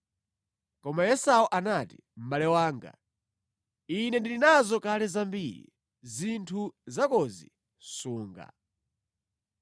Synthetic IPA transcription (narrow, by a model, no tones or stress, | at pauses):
kɔmajɛsawuʔanatḭ | m̩balɛwaːŋɡa̰ | inɛndilinazɔkalɛzambiɾḭ | zintʰuzakɔzḭ | suːŋɡa̰